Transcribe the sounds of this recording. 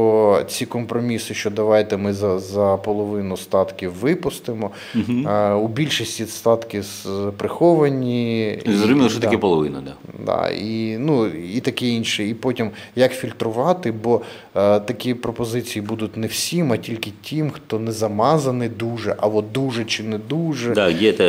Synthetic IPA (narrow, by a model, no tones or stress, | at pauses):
ɔt͡sʲikɔmpɾɔmʲisɪʃt͡ʃɔd̪ɐʋɑjt̪ɛmɪzɐzɐpɔlˠɔʋɪnʊst̪ɑt̪kʲiwʋɪpʊst̪ɪmɔ | ubʲilʲʃisʲtʲist̪ɑt̪kʲɪzpɾɪxɔʋɐnʲizɔzʲmʲilˠʃɛt̪ɐkɛpɔlˠɔʋɪnɐ̰d̪a | d̪ɑ̰inuit̪ɐkɛinʃiːpɔtʲimjɐkfʲilʲt̪ɾʊʋɑt̪ɪbɔ | t̪ɐkʲipɾɔpɔzɪt͡sʲijibud̪ʊtʲnɛwsʲimɐtʲilʲkɪtʲʰimxt̪ɔnɛzɐmɑzɐnɪd̪uʒɛʔɐʋɔd̪uʒɛt͡ʃɪnɛd̪uʒɛd̪adʲɛt̪ɛ